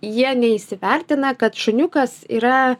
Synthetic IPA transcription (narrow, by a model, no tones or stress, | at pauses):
jiɛnʲɛisʲɪʋʲɛɾʲt̪ʲɪnɐkɐt̪ʃʊnʲʊkɐsḭːɾɐ